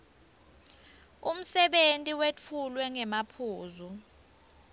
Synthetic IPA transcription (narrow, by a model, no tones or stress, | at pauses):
um̩sɛɓentʼiwet͡fʰulwɛŋɛmapʰuːzu